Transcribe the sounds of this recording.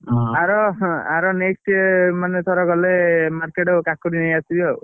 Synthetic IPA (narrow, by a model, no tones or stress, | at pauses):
aɾɔaɾɔneksʈemanet̪ʰɔɾɔɡɔlemaɾkeʈɔkakuɽinajasibɔ